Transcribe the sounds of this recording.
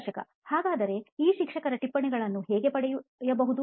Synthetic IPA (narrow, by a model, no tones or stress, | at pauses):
ʃɐkɐ̰ | haːɡaːd̪ɐɾe̞iːʃikʂɐkɐɾɐʈipːɐɳɛɡɐɭɐnːuɦɛːɡe̞pɐɽɛjujɐbɐɦud̪u